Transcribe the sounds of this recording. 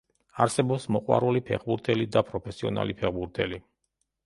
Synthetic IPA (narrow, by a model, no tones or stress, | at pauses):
aɾsɛbɔpsmɔqʼwa̰ɾulipʰɛ̰χbuɾt̪ʰɛlid̪apʼɾɔpʰɛsiɔna̰lipʰɛʁbuɾt̪ʰɛli